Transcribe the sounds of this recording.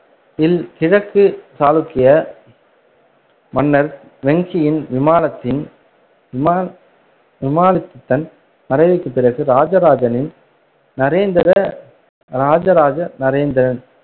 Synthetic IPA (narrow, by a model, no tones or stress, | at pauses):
ɪlt̪ɪɻɐkːɯsaːlɯkːɪjɐ | mɐnːɐɾ | ʋɛŋɡɪjɪnʋɪmaːlɐt̪ːɪn | ɪmː | ʋɪmaːlɪt̪ːɯt̪ːɐn | nɐɾɐɪʋɪkːɯpːɪɾɐɣɯɾaːd͡ʒɐɾaːd͡ʒɐnɪn | nɐɾeːnd̪ɪɾɐ | ɾaːd͡ʒɐɾaːd͡ʒɐnɐɾeːnd̪ɪɾɐn